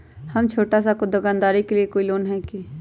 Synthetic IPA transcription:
hɐmt͡ʃʰoːʈasakod̪ɐɡaːnd̪aːɾikeliekoːiloːnɦɛkeː

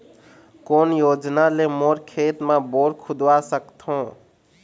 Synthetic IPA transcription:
konjod͡ʒnalemoɾkʰet̪meboɾkʰud̪wasəkt̪ʰɦõ

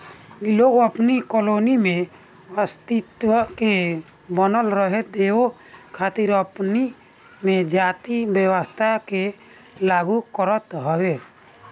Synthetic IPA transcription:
iloɡəpnikɔlonimẽ | wast̪it̪wəke | bənəlɾəɦed̪eo | kʰat̪iɾəpni | med͡ʒat̪ibjəwəst̪ʰake | laɡukɔɾət̪ɦɔwe

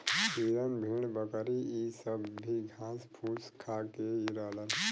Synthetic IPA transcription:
biɾənbʱiɳ̃bəkɾiisəbːʱiɡʱãːspʰuskʰakeiɾələn

